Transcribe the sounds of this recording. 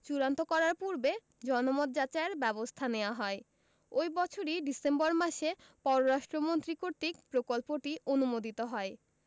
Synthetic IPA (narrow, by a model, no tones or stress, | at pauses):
t͡ɕuɾant̪okɔɾaɾpuɾbe | d͡ʑɔnomot̪̚d͡ʑat͡ɕaeɾbɛbost̪ʰaneoaɦɔe | ojbɔt͡ɕʰoɾiɖisembɔɾmaʃe | pɔɾoɾaʃʈɾomont̪ɾikoɾt̪ikpɾokolpoʈionumod̪it̪oɦɔe